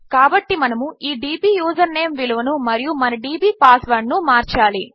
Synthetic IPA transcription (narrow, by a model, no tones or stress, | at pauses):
kaːbɐʈːimɐnɐmuiːɖiːbiːjuːd͡ʒɐɾneːmʋiluʋɐnumɐɾijumɐnɐɖiːbiːpaːsʋɐɾɳːumaːɾt͡ʃaːli